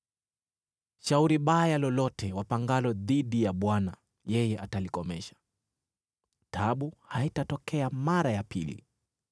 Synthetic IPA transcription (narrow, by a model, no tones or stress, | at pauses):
ʃauɾiɓajalɔlɔtʰɛwapaŋɡalɔðiɗijaɓwana | jɛjɛʔatalikɔmɛʃḁ | tʰaɓuhaitatɔkɛamaɾajapilḭ